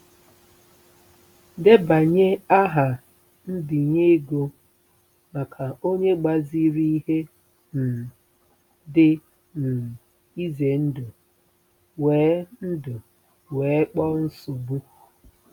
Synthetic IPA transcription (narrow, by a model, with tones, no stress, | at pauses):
de˦ba˨ɲe˦a˦ɦa˨ | n̩˦dɪ˨ɲe˦ɡo˦ | ma˨kʰa˨o˦ɲe˦ɡ͡ba˨zi˦ɾi˦i˦ɦe˦ | n̩˨ | dɪ˦ | n̩˨ | i˦ze˨n̩˦dʊ˨ | weː˨˦n̩˦dʊ˨ | weː˨˦k͡pɔ˦n̩˦sʊ˨bu˦˨